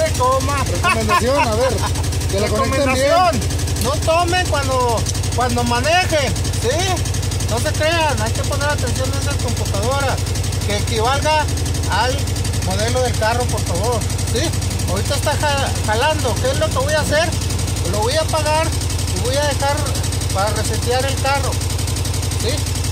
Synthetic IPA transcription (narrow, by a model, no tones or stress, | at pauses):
ekoma | eomend̪asjonaβeɾ | kerekokomeeasjon | not̪omeŋkwand̪o | kwand̪omanexen | si | no̞s̬e̞kɾeanajke̞po̞ne̞ɾat̪e̞nsjo̞nd̪esakomput̪aðoɾa | keːkiβalɣaː | l | moðeloðelkaropoɾfaβoɾ | si | oɾit̪aest̪axa | xaland̪okezlokeβojaːs̬eɾ | loβojapaɣaɾ | iβojaðexaɾ | paɾareset̪jaɾe̞lkaro | si